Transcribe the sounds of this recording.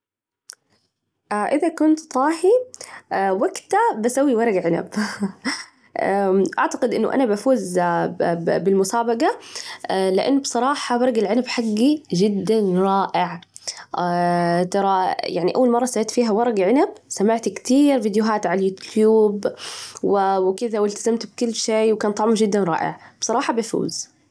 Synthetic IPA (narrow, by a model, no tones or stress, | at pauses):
ʔaʔɪðakʊnt̪t̪ˤɑːħi | waɡt̪abasawːiwɑɾˤɑɡʕɪna̰b | ʔaʔaʕt̪aqɪd̪ʔɪnːʊ̰ʔa̰nabafuːz | bɪlmʊsaːbɑɡa | lɪʔɪnːbsˤɑɾˤɑːħɑwɑɾˤɑɡalʕɪnabħaɡːiʒɪd̪ːanɾˤɑːʔɪʕ | t̪ɑɾˤɑjaʕniʔawːalmɑrˤːɑsaɪt̪fiːɦawɑɾˤɑɡʕɪnabsamaʕt̪kt̪iːɾvid̪jʊɦaːt̪ʕalajuːt̪juːbwɪwɪkɪðawɪlt̪azamt̪b̚kʊlːʃeːwkaːnt̪ˤɑʕmʒɪd̪ːanɾˤɑ̰ːʔɪ̰ʕb̥sˤɑɾˤɑːħɑbafṵːz